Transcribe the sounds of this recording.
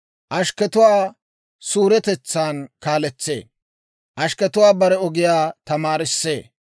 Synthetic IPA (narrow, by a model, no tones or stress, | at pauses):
ʔɐʃkɛt̪ʊwaː | suːɾɛt̪ɛt͡sːaːnkaːlɛt͡sːḛː | ʔɐʃkɛt̪ʊwaːbɐɾɛɔɡɪjaːt̪ɐmaːɾɪsːeː